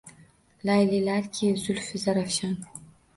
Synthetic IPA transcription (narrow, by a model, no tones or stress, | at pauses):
lajlilaɾkʲʰizʊlfizaɾafɕan